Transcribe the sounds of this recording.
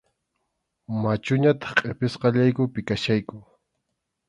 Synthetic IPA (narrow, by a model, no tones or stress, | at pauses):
mat͡ʃʊɲat̪ɑ̥χqʼepɪsqɑʎajkʊpɪkaʃajkʊ